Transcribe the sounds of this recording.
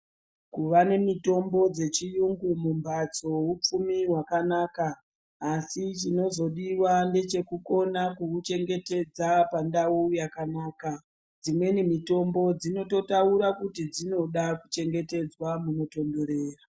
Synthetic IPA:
kuʋane̞mito̞mbo̞d͡ze̞t͡ʃijuŋɡumumbat͡so̞ɦup͡fumiwakanaːkaː | sit͡ʃino̞zo̞ɗiwande̞t͡ʃe̞kuko̞nakuut͡ʃe̞ŋɡe̞te̞d͡zapandaujakanaːka | d͡zimwe̞nimito̞mbo̞d͡zino̞to̞tauɾakutid͡zino̞ɗaku̥t͡ʃe̞ŋɡe̞te̞d͡zwamuno̞to̞ndo̞ɾe̞ːra

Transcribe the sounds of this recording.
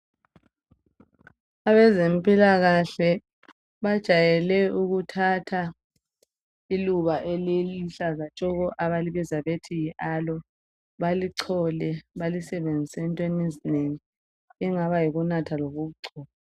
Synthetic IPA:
aβɛzempʼilaɣaɬɛ | βad̥ʒ̥ʱajɛlɛuɣutʰatʰa | iluβaʔeliliɬazat͡ʃʼɔɣɔʔaβaliβizaβetʰijiʔalɔ | βaliǀʰɔlɛβalisɛβend͡zʱisɛntʼenezineŋi | iŋaβajiɣunatʰaloɣuβuǀʰɔːla

